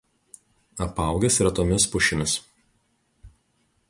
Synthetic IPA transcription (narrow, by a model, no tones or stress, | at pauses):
ɐpɑˑʊɡʲɛsiɾɐt̪oːmʲɪspʊʃʲɪmʲɪs